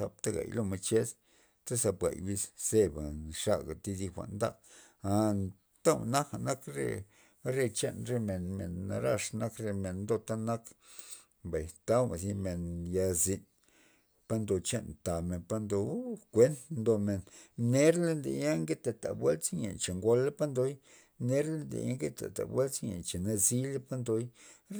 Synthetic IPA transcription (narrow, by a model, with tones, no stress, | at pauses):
a˧p̚t̪a˦ɡa̰˨jlo˧mo˧jt͡ʃe˦s | t̪a˦sa˧pɡa̰˨jbi˦sse˦ba˨ʂa˦ɡa̰˨t̪i˧d̪i˧xʷa̰˨ʔnd̪a̰˦ | a˧ | t̪a˦wna˦ka˨na˦kɾḛ˧ | ɾe˧t͡ʃe˦nɾe˧me˨nmḛ˨nːa˧ɾa˧ʂna˦kɾe˧me˨nnd̪o˧t̪a˦na˦k | mba˨jt̪a˦wma˨zi˧me˨nja˧zi˨˧n | pa˧nd̪o˨t͡ʃe˦˨nt̪a˨me˨npa˧nd̪o˧kʷe˦nnd̪o˧me˨nne˦ɾle˧nd̪ḛ˨ja˦ŋɡe˦t̪a˨t̪a̰˨bwe˦lt͡sɲḛ˨t͡ʃe˨ŋɡo˧le˦pa˦nd̪o˦j | ne˦ɾle˦nd̪ḛ˨ja̰˦ŋɡe˦t̪a̰˨t̪a̰˨bwe˦lt͡sɲḛ˨t͡ʃe˨na˧zi˦le˦pa˦nd̪o˧j